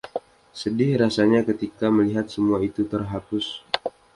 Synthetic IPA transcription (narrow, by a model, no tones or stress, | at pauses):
sədɪhɾasaɲakət̪ikaməliɦat̪̚səmuait̪ut̪ərɦapʊs